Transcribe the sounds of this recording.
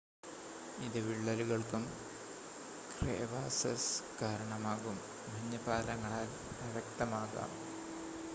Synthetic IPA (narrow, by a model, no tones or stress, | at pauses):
iðɨʋiɭːɐluɣɐɭkum | krḛːʋaːsɐskaːɾɐɳɐmaːɣum | bʱɐɲːɐpaːlɐŋːɐɭaːl | pɐʋɐk̚t̪ɐmaːɣa̰ːm